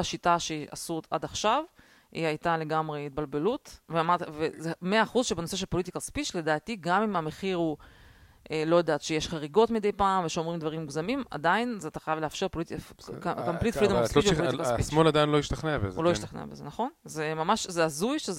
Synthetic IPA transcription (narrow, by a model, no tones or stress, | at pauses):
aʃitaʃeʔa̰suta̰daχʃav | ḭajtale̞ɡamʁeit̚balbe̞lut̪veamaʁt̪vezemeaːχuzʃebenose̞ʃ̬elpolit̪ikaspiʃle̞d̪aːt̪iɡamimame̞χiʁhu | ʔelojad̪aːt̪ʃejeʃχaʁiɡo̞tmid̪ejpaːmveʃeomʁimd̪vaʁimːuɡzamima̰dainzeat̪ḁχajavleafʃe̞ʁpoliti | amplit̪flid̪sʃoliikasismoladajnlo̞iʃt̪aχnebezulojiʃt̪aχnḛa̰bḛzḛnaχo̞nzemamaʃzeazujʃe